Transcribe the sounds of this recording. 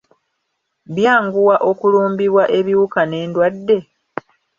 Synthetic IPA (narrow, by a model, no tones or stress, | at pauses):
βjaːŋɡuwaʔo̞kuluːmbiβwaʔe̞βiukane̞ːndwadːe̞